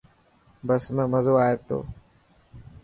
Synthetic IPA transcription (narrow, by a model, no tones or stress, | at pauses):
bəsmẽməzoːaːet̪o̰ː